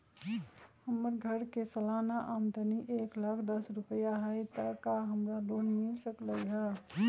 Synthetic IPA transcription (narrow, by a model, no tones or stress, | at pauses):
həmːəɾɡʱəɾkesəlanaʔamd̪ʱəniʔeklakʰd̪əsɾupəjaɦət̪əkaɦəmɾalonmilsəkləjɦə